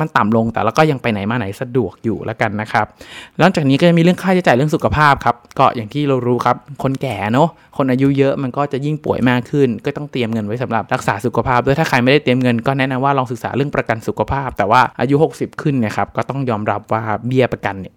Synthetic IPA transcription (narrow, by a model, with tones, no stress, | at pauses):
ma˧nt̪a˨˩mlo˧ŋt̪ɛ̰˨˩lɛː˦˥kɔː˥˩ja˧ŋpa˧jna˩˦jmaː˧na˨˦jsa˧du˨˩ək̚jṵː˨˩lʔa̰˦˥ka˧nːa˦˥kʰa˦˥p̚la˥˩ŋt͡ɕaː˨˩k̚niː˦˥kɔː˥˩t͡ɕa˨˩miː˧ɾɯ˥˩əŋkʰaː˥˩t͡ɕʰːt͡ɕaː˨˩ɾɯ˥˩əŋsu˨˩kʰa˧pʰaː˥˩p̚kʰa˦˥p̚kɔː˥˩jaː˨˩ŋt̪ʰiː˥˩ɾa˧wɾuː˦˥kʰa˦˥p̚kʰo˧nkɛː˨˩nɔ˦˥ | kʰo˧nʔaː˧ju˦˥jɤ˦˥ʔma˧nkɔː˥˩t͡ɕa˨˩ji˥˩ŋpṵ˨˩˦əjmaː˥˩kʰːɯ˥˩nkɔː˥˩t̪ɔ˥˩ŋt̪i˧əmŋɤ˧nwa˦˥jsa˨˩˦mɾa˨˩p̚ɾa˦˥k̚saː˩˦su˨˩kʰa˧pʰaː˥˩p̚doː˧˩jt̪ʰaː˥˩kʰa˧jma˥˩jda˥˩jt̪i˧əmŋɤ˧nkɔː˥˩nɛ˦˥na˧mwaː˥˩lɔː˧ŋsɯ˨˩k̚sa̰ː˩˦ɾɯ˥˩əŋpɾa˧ka˧nsu˨˩kʰa˧pʰaː˥˩p̚t̪ɛː˨˩waː˥˩ʔa̰ː˧ju˦˥ho˨˩k̚si˨˩p̚kʰɯ˥˩nːi˥˩ɐkʰa˦˥p̚kɔː˥˩t̪ɔ˥˩ŋjɔː˧mɾa˦˥p̚waː˥˩bi˥˩əpɾa˧ka˧nːi˧˥˩